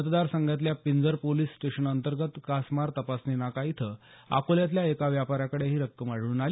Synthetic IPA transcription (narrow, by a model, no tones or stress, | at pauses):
ət̪d̪aɾsəŋɡjat̪̬ljapind͡zəɾpoliːsːʈeɕənənt̪əɾɡət̪kasmaɾt̪əpasnenakait̪ʰə | a̰koljat̪̬ljaekaʋjapaɾjakəɽeɦiːɾəkːəmaɽuːnal